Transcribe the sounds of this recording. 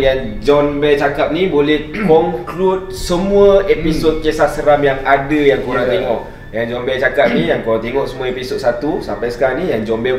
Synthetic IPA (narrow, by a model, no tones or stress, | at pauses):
jan | d͡ʒɔnbɛlt͡ʃakap̚nibolɛhkɔŋklut̪̚səmũəepisot̪̚kesasəɾamjaŋadəjaŋkuɾaŋt̪eŋɔʔ̚ | jand͡ʒɔnbɛlt͡ʃakap̚nijaŋkuɾat̪eŋɔʔsəmuaepisot̪̚sat̪usampajsə̥kanijaŋd͡ʒɔnbɛ